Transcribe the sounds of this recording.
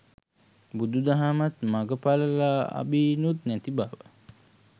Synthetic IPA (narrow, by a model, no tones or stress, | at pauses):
bud̪ud̪aɦamat̪maɡəpaləlaːa̰biːnut̪næt̪ibaʋə